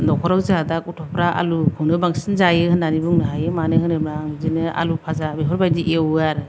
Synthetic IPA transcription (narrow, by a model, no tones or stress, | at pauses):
nɔkʰɔɾawzadakutʰɔpʰɾaʔa̰lukʰɯwnɯbaŋsinzajɯhɯnːanibuŋnɯɦajɯmanɯɦɯnɯbaŋzinɯa̰lupʰazabeɦɔɾbajdiʔewaɾɯ